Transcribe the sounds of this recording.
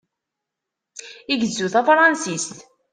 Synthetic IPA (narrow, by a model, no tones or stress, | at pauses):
iɡəzːuθæfɾˤɑnsist̪